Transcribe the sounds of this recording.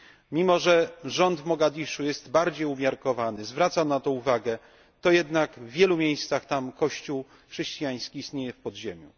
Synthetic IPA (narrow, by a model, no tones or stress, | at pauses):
mʲimɔʐɛʐɔnd̪vmɔɡad̪ʲiʂujɛst̪baɾd͡ʑejumʲjaɾkɔvanɘzvɾat̪sanat̪ɔuvaɡɛ | t̪ɔjɛd̪naɡvːʲjɛlumʲjejst̪saxt̪amkɔɕt͡ɕuw | xʂɛɕt͡ɕijaj̃skʲiːst̪ɲejɛfpɔd̪ʑemʲjṵ